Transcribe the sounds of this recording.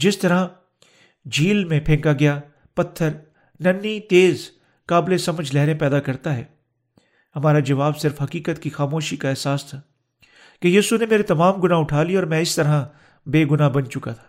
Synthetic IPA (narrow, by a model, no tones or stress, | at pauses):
d͡ʒɪst̪ɐɾa | d͡ʒʱiːlmẽpʰẽːŋkaɡɐjaː | pɐt̪ʰːəɾ | nɐnːit̪eːz | kaːblesɐməd͡ʒʱlɛɦɾẽpɛːd̪akɐɾt̪aɦɛː | ɦɐmaːɾad͡ʒɐʋaːbsɪɾfɦɐkiːkət̪kixaːmoːʃikaɛːɦsaːst̪ʰaː | kejiːsunemeːɾet̪ɐmaːmɡʊnaɦʊʈʰaːliɔːɾmɛ̃ɪst̪ɐɾɦã | beːɡʊnaɦbɐnt͡ʃʊkat̪ʰḁː